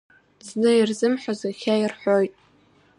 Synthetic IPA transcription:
znɨirzɨmħʷazaxʲairħʷᶣojtʼ

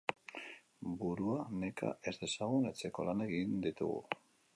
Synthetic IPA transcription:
buɾuane̞ka̰ʔe̞zd̪e̞saɣunet͡se̞ko̞lane̞ɣind̪it̪ṵɣṵ

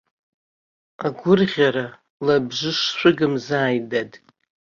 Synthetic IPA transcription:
aɡʷʊrʁʲaɾa | labʐʷɨʂʃʷɨɡɨmzaːjdadʼ

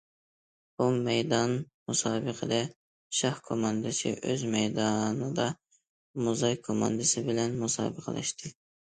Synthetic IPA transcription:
bumɛjd̪ɑn | musɑːbɨqʰəd̪ɛ | ʃɑhkʰomɑnd̪ɨsɨ̰ʔøzmɛjd̪ɑnɨd̪ɑ | muzɑjkʰomɑ̰nd̪ɨsɪbɪlɛnmusɑ̰ːbɨqʰə̰lʔɛ̰ʃt̪ʰɪ

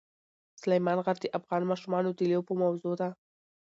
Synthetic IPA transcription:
sʊlajmɑnɣaɾd̪əʔafɣɑnmɑʃumɑnod̪ilewpəmawzod̪a

